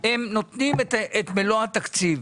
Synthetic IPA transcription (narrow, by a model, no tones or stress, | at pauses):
emnot̪nimt̪et̪meloat̪akt͡siv